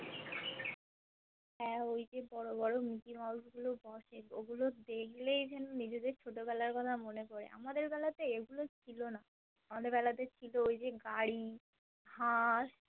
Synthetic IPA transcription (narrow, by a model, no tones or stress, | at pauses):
ɦɛojd͡ʑebɔɽobɔɽomikimauʃɡulobɔʃeo̰ɡulod̪ekʰlejd͡ʑɛnonid͡ʑed̪eɾt͡ɕʰoʈobɛlaɾkɔt̪ʰamonekoɾḛʔa̰mad̪eɾbɛlat̪eeɡulot͡ɕʰilona | amad̪eɾbɛlat̪et͡ɕʰiloojd͡ʑeɡaɽi | haʃ